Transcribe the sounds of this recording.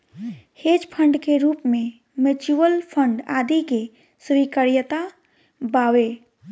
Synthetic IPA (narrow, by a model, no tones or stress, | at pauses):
heːd͡ʒpʰəɳɖkeɾuːpmẽ | met͡ʃuwəlpʰə̃ɳɖaːd̪ike | swikəɾjət̪a | baːwe